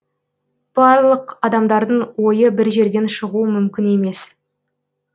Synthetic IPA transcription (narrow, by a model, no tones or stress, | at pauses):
b̥ɑɾlˠəqɑd̪ɑmd̪ɑɾd̪əɴwo̞jəbɪɾʒe̞ɾd̪e̞nʃəʁuəmʏmkʲɪne̞me̞s